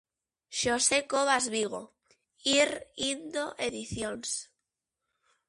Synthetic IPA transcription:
ʃosekoβazβiɣ̞o̰ | iɾind̪oʔeðiθjons

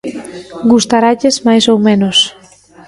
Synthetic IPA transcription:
ɡust̪aɾaʎezmajsowmẽnos

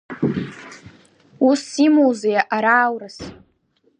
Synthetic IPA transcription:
usimowzejaʔaɾaːwrɨs

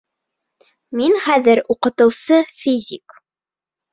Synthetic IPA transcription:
minχæðɘɾuqɤ̆t̪ɤ̆wsɤfʲizʲik

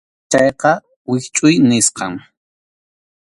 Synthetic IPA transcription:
t͡ʃɑjqɑ | wɪxt͡ʃʼʊjnɪsqɑŋ

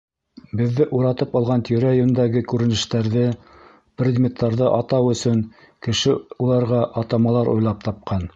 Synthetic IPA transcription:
bɘ̆ðːɘʔuɾɑt̪ɤpɑlˠʁɑnt̪ɵ̆ɾæjɵnd̪æɡɘkʉɾɘ̆nɘ̆ʃt̪æɾðɘ | prʲed̪mʲet̪ːɑɾðɤʔɑt̪ɑwɵ̆sɵŋ | kɘ̆ʃɘulˠɑɾʁɑʔɑt̪ɑmɑlˠɑɾʔṵjlˠɑp̚t̪ɑp̚qɑn

